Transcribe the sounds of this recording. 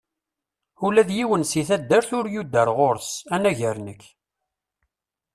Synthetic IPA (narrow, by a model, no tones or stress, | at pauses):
ulæðjiwənsiθæd̪ːəɾθʊɾjud̪ːəɾʁoɾsænæʝəɾnəkː